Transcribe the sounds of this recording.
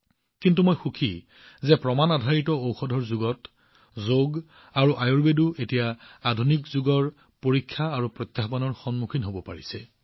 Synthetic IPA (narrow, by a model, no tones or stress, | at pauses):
kintumojxukʰi | zɛpɹɔmanadʱaɹitɔowxɔdʱɔɹzuɡɔt | zoɡ | aɹuʔajuɹbeduetijaadʱunikzuɡɔɹ | poɹikʰːaːɹupɹɔt̪jaxbanɔɹxɔnmukʰinɦobɔpaɹisɛ